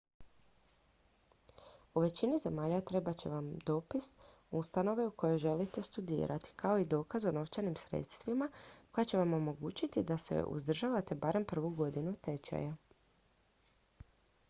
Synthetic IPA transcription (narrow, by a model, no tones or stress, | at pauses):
uʋe̞t͡ɕinize̞maːʎat̪ɾe̞bat͡ɕe̞̰ʋamd̪o̞ːpis | ust̪ano̞ʋe̞uko̞jo̞jʒe̞lit̪e̞st̪ud̪ḭːɾa̰t̪i̥kʰao̞id̪o̞ːkazo̞no̞ft͡ʃanimsɾe̞̰t̪st̪ʋimako̞jat͡ɕe̞ʋamo̞mo̞ɡuːt͡ɕit̪id̪asḛʔṵzd̪r̩ʒaːʋat̪e̞baːɾe̞mpr̩ʋuɡo̞d̪inut̪e̞t͡ɕa̰ja